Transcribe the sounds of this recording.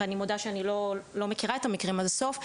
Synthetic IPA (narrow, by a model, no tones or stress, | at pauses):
animodaʃeanilolo̞mekiʁae̞tamikʁimalsof